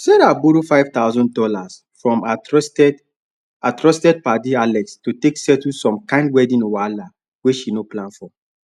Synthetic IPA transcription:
sɛɾaboɾufaɪvt̪aʊzɔ̃n̚dɔlas | fɹɔ̃m | atɹɔstɛd̚padialɛkstuteksɛtusɔ̃mkãɪ̃ndwɛdĩnowaala | weʃinoplãnfɔ

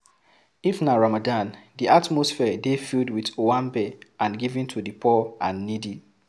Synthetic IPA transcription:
ifnaɹamadãndiʔatmosfɛdefildwitowãmbɛãnɡivĩntʰudipʰɔãnːidi

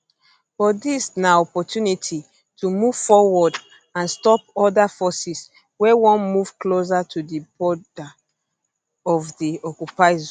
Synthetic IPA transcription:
b̥ɔdisnaɔpɔtʰjunitʰi | tʰumuv̥fɔwɔd | ãnstɔpɔdafɔsis | wɛwɔ̃nmuvklos̬atʰudibɔda | ɔvdiɔkjupaɪz

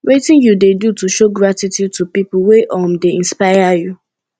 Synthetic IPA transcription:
wetɪ̃njudedutuʃoɡɹatitjud̚tupipʊweʔɔmdeĩnspaɪaju

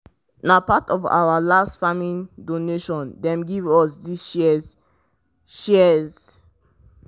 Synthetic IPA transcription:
napatɔva̰walastfamĩndoneʃɔ̃ndɛ̃mɡivɔsdis | ʃɛz

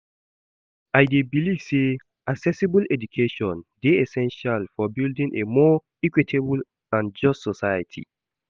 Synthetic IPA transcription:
aɪdebiliv̥se | aksɛsibulɛd͡ʒukʰeʃɔ̃ndeɛsɛ̃nʃalfɔbildĩŋʔemɔ | ikwitʰebl | ãnd͡ʒɔstsɔsajətʰḭ

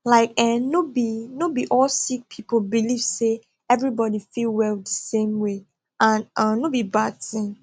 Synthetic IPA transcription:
laɪkɛnobinobiʔɔlsik̚pʰipobiliv̥se | ɛvɹibɔdifilˠwɛldəsẽmwe | ʔãnʌ̃nobibad̚θĩŋ

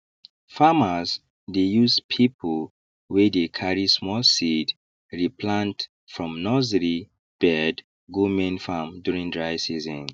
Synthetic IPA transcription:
famaz | dejuzpʰipʰol | wɛdekʰaɹismɔlsid | ɹipʰlãnt | fɹɔ̃mnɔzɹi | b̥ɛd | ɡumẽnfamdjuɹĩŋdɹaɪsizɔ̃n

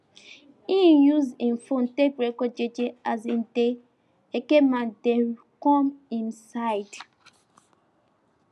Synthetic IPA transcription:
injuzin̩fon̩tekɾekod͡ʒed͡ʒeazin̩te | ekemande | kɔmĩnsaɪd

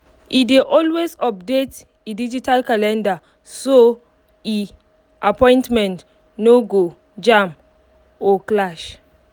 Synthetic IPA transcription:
ʔideʔɔlwezɔp̚det | idid͡ʒitalkalɛ̃nda | so | i | ʔapɔ̃ɪ̃ntmɛ̃nt | noɡo | d͡ʒãm | ɔklaʃ

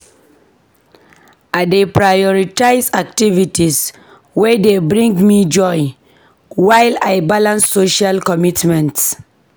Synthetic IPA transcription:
adepɹajɔɹitaɪsak̚tivitis | wɛdebɹĩŋɡmid͡ʒɔj | wajlajbalãnsːoʃalkɔmitmɛ̃nts

